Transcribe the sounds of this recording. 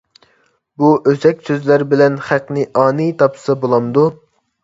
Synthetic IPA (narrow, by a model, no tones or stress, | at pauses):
buʔøzɛkʲsøzlæɾbɪlɛnχæqnɪʔɑːnit̪ʰɑpsɑbolˠɑmd̪u